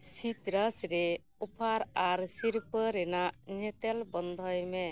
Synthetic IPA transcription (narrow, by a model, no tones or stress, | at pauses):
sit̪ɾəsɾe | upʰaɾaɾsiɾpəɾenaʔnet̪elbɔnd̪ʱɔjme